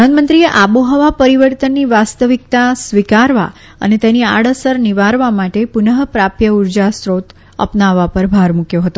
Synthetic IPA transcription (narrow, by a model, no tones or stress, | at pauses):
ənmə̃nt̪ɾieʔaboɦəʋapəɾiʋəɾt̪ənːiʋast̪əʋik̚t̪asʋikaɾʋa̰ | ə̰net̪enia̰ɽəsəɾniʋaɾʋamaʈepunəɦpɾapjəuɾd͡ʒasɾot̪ | ə̰pnaʋːapəɾbʱaɾmukjoɦət̪o